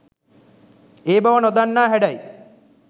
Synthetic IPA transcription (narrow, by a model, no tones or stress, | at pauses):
eːbɐʋɐnod̪anːaːɦæɖɐj